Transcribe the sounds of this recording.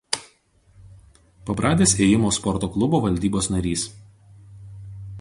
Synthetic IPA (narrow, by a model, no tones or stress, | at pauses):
pɐpɾʔɑːd̪ʲeːseːjɪmoːspɔɾt̪oːklˠʊboːʋɐlʲd̪ʲiːboːsnɐɾʲiːs